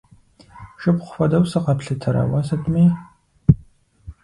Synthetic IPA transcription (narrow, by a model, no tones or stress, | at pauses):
ʂɨpχʷʊfɐdɐwsɐqɐpɬɨtʰɐɾa̰wɐsɐtʰʼmiː